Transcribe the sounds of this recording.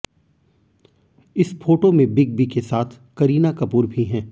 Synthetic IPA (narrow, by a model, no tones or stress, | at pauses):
ɪsfoːʈomẽbɪɡ̚bikesaːt̪ʰ | kɐɾiːnakɐpuːɾbʱiɦɛ̃ː